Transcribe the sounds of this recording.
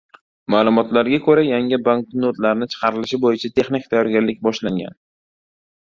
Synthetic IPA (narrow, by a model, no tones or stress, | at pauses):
maːlˠʊmɒt̪laɾɡʲakʰɵɾajaŋɪbaŋk̚not̪laɾnɪt͡ʃʰɨ̥qʰɑɾɪlɪʃɪbojɪt͡ʃʰat̪ʰe̞χnikʲt̪ʰajɒɾɡʲaɾlɪk̚ʲbɒʃlaŋɡʲa̰n